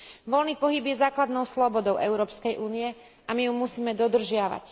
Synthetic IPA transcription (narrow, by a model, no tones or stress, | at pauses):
ʋɔlniːpɔɦibjɛzaːklad̪nɔʊslɔbɔd̪ɔʊʔɛʊɾɔːpskɛjʔuːniɛ | amijumusiːmɛd̪ɔd̪r̩ʒɪaʋa̰c